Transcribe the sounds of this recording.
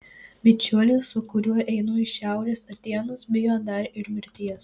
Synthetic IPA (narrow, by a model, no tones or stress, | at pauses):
mʲɪt͡ʃʲuɔlʲesːʊkʊɾʲuɔʔɛɪnuːɪʃʲæˑʊɾʲeːsɐt̪ʲiɛnʊsbʲɪjoːd̪ɐɾʲɪɾmʲɪɾʲt̪ʲiɛs